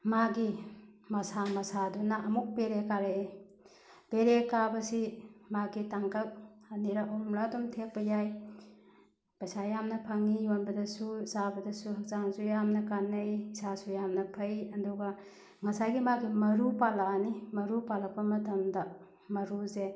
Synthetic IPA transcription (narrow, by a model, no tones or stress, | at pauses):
maɡimɐsamɐsadunaɐmuk̚peɾekaɾee | peɾekabɐsimaɡitaŋkak̚ | aniɾaʔɔmladɔmtʰek̚pɐjaj | pɐjsajamnɐpʰɐŋijonbɐdɐsusabɐdɐsuɦɐk̚zaŋzujamnɐkanɐjsasujamnɐpʰɐjɐduɡɐ | ŋɐsajɡimaɡimɐɾupalaanimɐɾupalak̚pɐmɐtɐmdɐ | mɐɾuze